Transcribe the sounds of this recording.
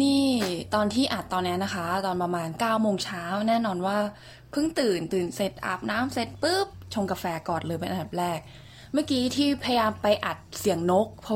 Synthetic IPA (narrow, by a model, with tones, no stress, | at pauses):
niː˥˩t̪ɔː˧nt̪ʰiː˥˩ʔa˨˩t̪ːɔː˧nːi˦˥na˦˥kʰa˦˥t̪ɔː˧npɾa˧maː˧nkaː˥˩wmoː˧ŋt͡ɕʰaː˦˥wnɛː˥˩nɔː˧nwaː˥˩ | pʰɯ˥˩ŋt̪ɯː˨˩nt̪ɯː˨˩nse˨˩t̪̚ʔa̰˨˩p̚naː˦˥mse˨˩t̪̚pɯ˥˩p̚t͡ɕʰo˧ŋka˧fɛː˧kɔː˨˩nlɤː˧jpe˧nʔa˧nd̪a˨˩ɾɛː˥˩k̚ | maː˥˩kiː˦˥t̪ʰiː˥˩pʰa˧ja˧jaː˧mpa˧jʔa˨˩t̪̚si˨˩˦əŋno˦˥k̚pʰɔ˦˥